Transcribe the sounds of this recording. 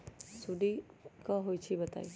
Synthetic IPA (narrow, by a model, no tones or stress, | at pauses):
suɖikaɦojt͡ʃʰibət̪a̰i